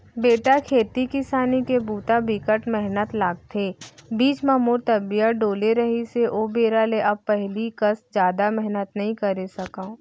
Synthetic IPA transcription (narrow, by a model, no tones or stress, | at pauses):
beːʈakʰeːt̪ikɪsaːnikebuːt̪abɪkəʈmɛɦnət̪laːɡ̚t̪ʰeːbiːt͡ʃmãmoːɾt̪ɐbijəɖoːleɾəɦiseʔoːbeːɾaleʔɐb̚pɛɦlikəsd͡ʒjaːd̪amɛɦnət̪nɐɦĩkɐɾesɐkã